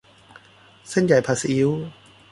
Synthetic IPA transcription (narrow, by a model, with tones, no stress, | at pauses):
se˥˩˨nja˨˩jpʰa˧sʔi˦˥w